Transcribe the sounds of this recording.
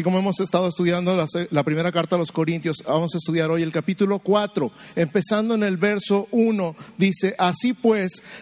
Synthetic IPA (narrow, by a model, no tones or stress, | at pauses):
iko̞mo̞emo̞se̞st̪að̞oest̪uðjand̪o̞laslapɾime̞ɾakaɾt̪aðelo̞sko̞ɾint̪jo̞sbamo̞saest̪uðjaɾo̞je̞lkapit̪ulo̞kwat̪ɾo̞ | e̞mpe̞sand̪oene̞lβe̞ɾso̞ʔuno̞ðise̞ʔasipwe̞s